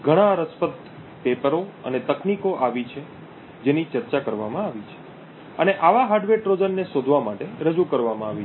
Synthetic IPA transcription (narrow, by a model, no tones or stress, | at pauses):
ɡʱəɽ̃aɾəspət̪ | pepəɾoə̰net̪əknikoʔaʋit͡ʃʰe | d͡ʒenit͡ʃəɾt͡ʃakəɾʋamãaʋit͡ʃʰe̥ | əneʔaʋaɦaɖʋeʈɾod͡ʒənːeʃod̪ʱʋamaʈeɾəd͡ʒukəɾʋamãaʋi